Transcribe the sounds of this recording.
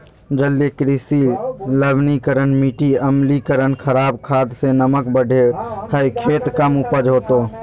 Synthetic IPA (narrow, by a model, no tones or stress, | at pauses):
d͡ʒəlːekɾɪsiləbnikəɾənmiʈiəmlikəɾənkʰəɾaːbkʰaːd̪senəməkbəɖʱehəikʰeːt̪kəmupəd͡ʒɦoːt̪oː